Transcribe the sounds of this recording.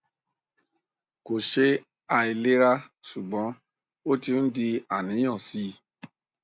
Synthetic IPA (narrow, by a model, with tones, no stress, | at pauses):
ko˨ʃe˦ | a˧i˧le˦ɾa˦su˨ɡ͡bɔ̃˨˦ | o˦ti˧n̩˦di˧a˨nĩ˨˦j̃ɔ̃˦˨si˦